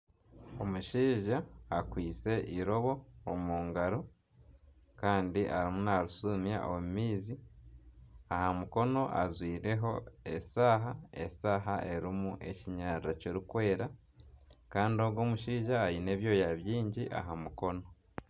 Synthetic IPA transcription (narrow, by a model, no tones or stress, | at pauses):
o̞muʃiːʒaːkwiːt͡se̞ʔiɾo̞βo̞ːmuːŋɡaɾo̞ | kaːndiʔaɾimunaɾusumja̰ʔomumiːzi | ahamuko̞no̞ʔazwiːɾe̞ɦo̞e̞saːɦae̞̰saːɦaʔeɾimuʔe̞ciɲaːɾɾacoɾukwe̞ːɾa | kaːndio̞ɡo̞muʃiːʒaːjine̞ːβjo̞ːjaβjiːɲɟiʔa̰ɦamuko̞no̞